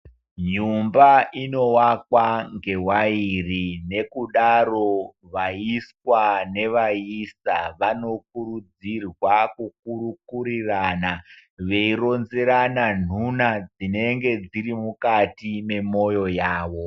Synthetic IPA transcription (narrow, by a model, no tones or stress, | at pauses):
ɲumbaʔino̞wakwaŋɡewairine̞kuɗaro̞ | ʋaiskwane̞ʋaisaʋano̞k̚uɾud͡zirwakuk̚uɾukuriraːna | ʋe̞iro̞nzeɾanan̤unad͡zine̞ŋɡe̞d͡ziɾimukatime̞mo̞jo̞jaːʋo̞